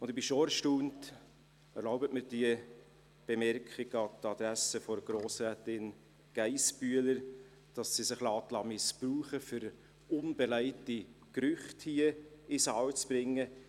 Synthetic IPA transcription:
ʊnd̪ɪbɪʃɔɛɾʃtuːnt | ɛɾlɔʊbətmɪɾd̥iə | b̥ɛmɛɾkʰχiɡɑtɑd̪̥ɾæsəfɔɾɡ̥ɾoːsɾæːtɪn | ɡ̥æɪsb̥yələɾ | d̥ɑsːisɪχlɑːtlɑmɪspruːχəfyɾ | ʊnbɛlæɪtikɾʏχthiəɪsɑːwt͡sb̥ɾɪŋːə

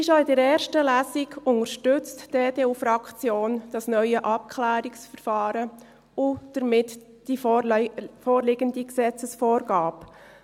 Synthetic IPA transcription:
ɪʃoɪdəɾɛːɾʃtəlæːsɪɡʊŋəɾʃtʏt͡std̥eːd̥eːufɾɑkt͡sjoːnd̥ɑsnœʏəʔɑp̚kʰlæːɾɪksfəɾfɑːɾə | ʊd̥əɾmɪt | d̥i | foːɾlɪɡəndiksɛt͡səsfoːɾɡɑːp

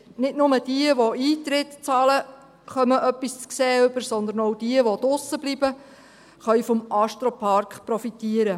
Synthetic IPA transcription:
nɪtnʊməd̥iəʋoiːt̪ɾɪt̪t͡sɑːlə | χœməʔœpːist͡skseːʏbəɾsɔnd̪ənowdiəʋɔd̥̪ʊsːəb̥libə | χœɥfɔmʔɑʃtɾɔpʰɑɾkχpɾɔfit̪iəɾə

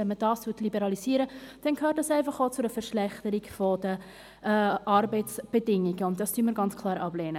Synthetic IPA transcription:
ɛnmədɑːstutlibɛɾɑliziːɾəd̥ɛnkʰhøːtd̥ɑsɛɪfɑχoːt͡sʊəfɛɾʃlɛχtəɾikfodə | ʔɑɾbɛɪt͡sb̥ədɪŋiɡəʊnt̚d̥ɑsd̥yːnməɾɡɑnt͡skʰlɑːɾʔɑb̥lɛːnə

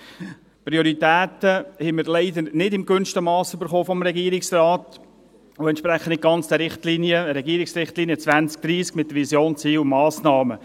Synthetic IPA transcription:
pɾioɾitæːt̪əhɛməɾlɛɪdəɾnɪdɪmkʋʏnstəmɑːsʏbəɾχoːfɔmɾɛɡiəɾɪksraːt | ʊɛntʃpɾɛχːən̩dɪɡ̚ɡɑnt͡sd̥̪əɾɪχtliːnjəɾɛɡiəɾɪksrɪχtliːnjət͡sʋænt͡sk̚d̥ɾiːskmɪtːəɾvisjoːnt͡siːwmɑːsnɑːmə

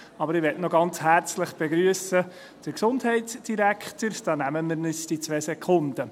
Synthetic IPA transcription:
ɑbəɾɪʋɛtnɔɡɑnt͡shæɾt͡slɪχb̥eɡɾyəsə | d̥əɾksʊndɦɛɪtsd̥iɾækχtəɾd̥ɑːnæməmɪɾnɪsd̥it͡sʋɛːsɛkʰχʊnd̥ə

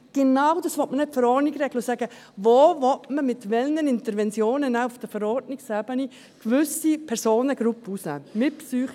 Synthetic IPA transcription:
ɡ̥enawdɑsʋɔtmənɛtfəɾɔnɪɡɾɛɡləsæːɡ̥ə | voːvɔtməmɪtʋɛlnənɪntəɾʋɛnt͡sjoːnənæʊfd̥əfəɾɔɾdnɪksɛbəni | kʋʏsipʰɛɾsoːnəɡ̥ɾupːusnɛ̰ːmɪpsyːχ

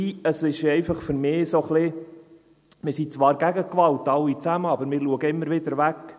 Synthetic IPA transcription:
iəsɪʃɛɪfɑχfʏɾmɪːsoχlɪ | mɪɾsit͡sʋɑːɾɡæɡəkʋɑltɑwːit͡sæməɑbəɾmɪːɾluəɡəɪmːəɾʋɪd̪əɾʋæk

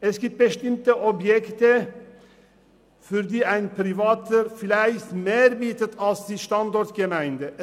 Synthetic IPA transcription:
ɛskɪt̚bəʃt̪ɪmt̪əʔɔbjɛkt̪ə | fɔɾd̪iːæɪnpʰɾɪʋɑːt̪əɾflæɪsmeːɾbiːt̪ət̪ʰɑsd̪iʃt̪ɑnd̪ɔɾt̪ɡəmæɪnd̪ə

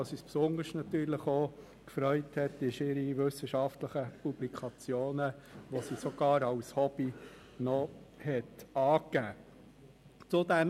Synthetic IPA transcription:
ɑsispsʊndəʃtnɑt̪yːɾləχo | kfɾœʏthɛtɪʃɪɾiʋʏsəʃɑftləχəpub̥likʰɑt͡sjoːnəʋosisoɡ̥ɑːɾɑwshɔb̥i | nɔhɛtɑːkːæː | t͡sʊdæn

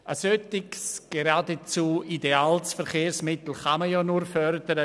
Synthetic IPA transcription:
ʔəsøtɪɡsɡ̥eɾaːdet͡suideaːlsfɛɾχeːrsmɪt̪l̩χaməjɔnuɾfœɾd̥əɾə

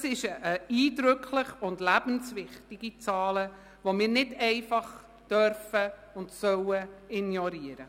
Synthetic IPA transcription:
sɪʃəʔəiːdɾʏkʰlɪχʊndlæb̥ən̩sʋɪχtɪɡ̥it͡sɑːlə | ʋomɪːɾnɪdɛɪfɑχ | d̥œɾfəʊndsœwəɪnjɔɾiəɾə

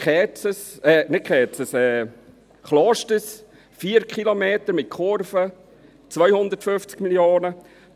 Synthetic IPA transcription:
χɛːt͡səsɛːnɪt̚kʰɛːtt͡səsɛ | χlɔʃtəs | fiəɾkχilomeːt̪əɾmɪt̚kʰoɾfə | t͡svœjhʊnd̪ətfʏft͡skmiljoːnə

